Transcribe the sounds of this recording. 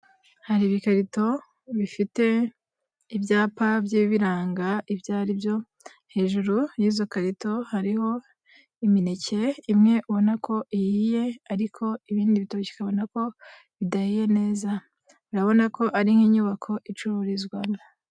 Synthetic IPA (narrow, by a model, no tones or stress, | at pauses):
haɾiːβikaɾito̞ | βifite̞ | ibjaːpabjiβiɾaːŋɡaʔivjaːɾibjo̞ | he̞ːʒuɾujiːzo̞kaɾito̞haɾiho̞ | iminece̞imŋe̞ʔuβo̞nakʰo̞ʔijije̞aɾikʰo̞iβiːndiβitaβoi̥kaβo̞nako̞ | βidahije̞ne̞ːza | uɾaβo̞nako̞ʔaɾiŋhiːɲuβakʰo̞ʔit͡ʃuɾuɾizɡwan